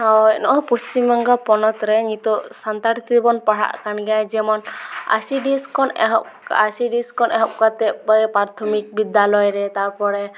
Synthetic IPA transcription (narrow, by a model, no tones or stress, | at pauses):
hawɛnɔʔɔpust͡ʃimːɔŋɡapɔnɔt̪ɾɛɲit̪ɔsant̪aɾit̪ɔd̪ibɔnpaɽa̰ʔkanɡajd͡ʒɛmɔna̰siɖiskʰɔnɦɔasiɖiskɔnʔɛɦɔp̚kat̪ɛp̚baɛpɾaɾt̪ʰɔmik̚bid̪alɔjɾɛt̪aɾpɔɽɛ